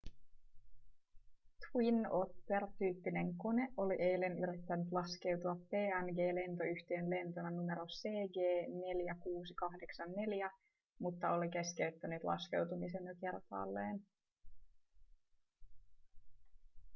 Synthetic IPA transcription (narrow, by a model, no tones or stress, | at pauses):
t̪winot̪ːert̪yːpːine̞ŋko̞ne̞o̞liʔe̞jle̞nyɾit̪ːænyt̪lɑske̞wt̪uɑpːe̞ːænɡe̞ːle̞nt̪o̞yçt̪eːnle̞nt̪onɑnume̞ɾo̞se̞ːɡe̞ːne̞ljækuːsikɑhde̞ksɑnːe̞ljæ | mut̪ːɑo̞like̞skeyt̪ːænet̪lɑ̰ske̞̰wt̪umis̬e̞njoke̞rp̪ɑ̰ːlːeːn